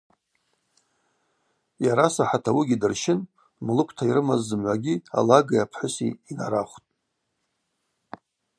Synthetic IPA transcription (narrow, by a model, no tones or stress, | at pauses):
jaɾasaħatʰawiɡʲidɨrʃɪn | mlɨkʷʰtʰaiɾɨmazːɨmʕʷaɡʲia̰laɡajapʰħʊsḭːnaɾaχʷtʼ